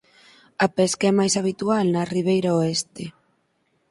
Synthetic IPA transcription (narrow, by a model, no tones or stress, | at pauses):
ɐpɛskaɛmajsaβ̞it̪ualnɐriβ̞ejɾaoɛst̪e